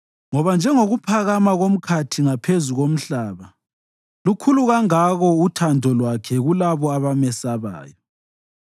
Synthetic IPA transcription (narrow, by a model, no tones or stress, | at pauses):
ŋɔβand͡ʒʱɛŋoɣupʰaɣamaɣom̩kʰatʰiŋapʰezuɣom̩ɬaːβa | lukʰuluɣaŋaɣɔutʰandʱɔlwakʰɛɣulaβɔaβamɛsaβa̰ːjɔ